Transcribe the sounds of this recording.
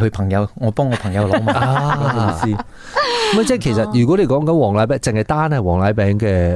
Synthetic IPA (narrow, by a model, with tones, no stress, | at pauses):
hɵ˧ɥpʰɐ˨˩ŋjɐ˨˧wŋɔː˨˧pɔː˥ŋɔː˨˧pʰɐ˨˩ŋjɐ˨˧wlɔ˨˧˥maː˧˨aː˧˨˥siː˥ | mɐ˨jt͡sɛ˥˩kʰe˨˩jsɐ˨t̚jyː˨˩kɔ˨˥le˨˧jkɔː˨˥ŋkɐ˨˥nwɔː˨˩ŋlaː˨˥jp̬ɛː˨˥ŋt͡sɪ˨ŋhɐ˨jt̪aː˥nhɐ˨jwɔː˨˩ŋlaː˨˧˥jpɛː˨˥ŋkɛː˧